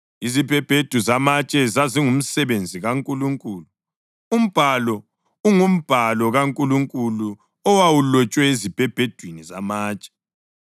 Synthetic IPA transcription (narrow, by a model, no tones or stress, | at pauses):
izibʱɛb̥ʱed̥ʱuzamat͡ʃʼɛzaziŋum̩sɛβend͡zʱiɣaŋkʼuluŋkʼuːlu | um̩b̥ʱalɔ | uŋum̩b̥ʱalɔɣaŋkʼuluŋkʼulu | ɔwawulɔt͡ʃʼwɛezib̥ʱɛb̥ʱed̥ʱwinizamaːt͡ʃʼɛ̥